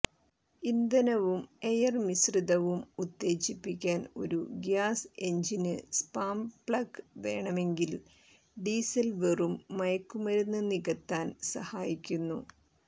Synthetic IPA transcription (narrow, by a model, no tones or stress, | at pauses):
ind̪ɐnɐʋume̞jɐrmisriðɐʋumut̪ːe̞ːt͡ɕipːikʲːaːno̞̰ɾuɡjaːse̞ɲd͡ʑinɨspaːmbɭɐkʋe̞̰ːɳɐme̞ŋɡil | ɖiːsɐlʋerumːɐjɐkːumɐɾunːɨniɣɐt̪ːaːnsɐhaːjikʲːunːu